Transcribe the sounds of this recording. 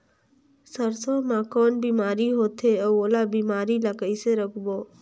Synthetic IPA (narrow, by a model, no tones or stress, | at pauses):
səɾsoːmãkɔːnbiːmaːɾiɦoːt̪ʰeɔoːlabiːmaːɾilakəiseɾəkʰboː